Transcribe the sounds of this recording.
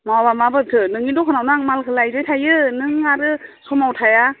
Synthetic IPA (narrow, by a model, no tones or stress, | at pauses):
mawabamabɯtʰɯnɯŋidɔkʰɯnawnaŋmalkʰɯlajɾɯjtʰajɯnɯŋaɾɯsɔmawtʰaja